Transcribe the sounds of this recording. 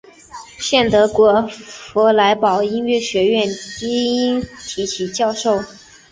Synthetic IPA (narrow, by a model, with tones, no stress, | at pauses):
ɕjɛ˥˩nt̪ɤ˧˥kwɔ˧˥fɔ˧˥la˧˥ɪpɑ˨˩ʊi˥nɥɛ˥˩ɕɥɛ˧˥ɥɛ˥˩nt͡ɕi˥i˥nt̪ʰi˧˥t͡ɕʰi˨˩t͡ɕjɑ˥˧ʊʂo˥˩ʊ